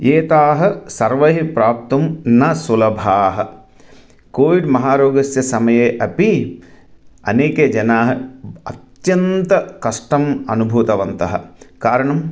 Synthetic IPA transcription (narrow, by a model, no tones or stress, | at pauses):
jeːt̪aːɦɐ̆sɐɾʋɐɦipɾaːp̚t̪umnɐsulɐbʱaːɦɐ̆ | koːʋiɖmɐɦaːɾoːɡɐsjɐsɐmɐjeːʔɐpi | ɐ̰neːked͡ʒɐnaːɦɐɐt̪jɐnt̪ɐkɐʂʈɐmɐ̰nubʱuːt̪ɐʋɐnt̪ɐɦɐ̰̆kaːɾɐɳɐm